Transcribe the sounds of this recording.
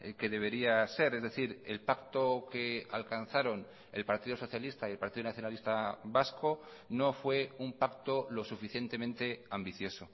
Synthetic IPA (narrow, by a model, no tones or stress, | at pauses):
ke̞ðe̞β̞e̞ɾiase̞ɾe̞zðe̞θiɾe̞lpakt̪o̞ke̞a̰lkanθaɾo̞n | e̞̰lpaɾt̪iðoso̞θjalist̪aielpaɾt̪iðonaθjonalist̪aβasko̞ | no̞fwe̞umpakt̪o̞lo̞sufiθje̞nt̪e̞mẽnt̪e̞ambiθjo̞so̞